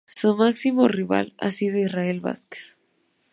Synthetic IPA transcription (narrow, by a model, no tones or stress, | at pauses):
sumaksimoriβa̰la̰siðoisraelβa̰ske̥s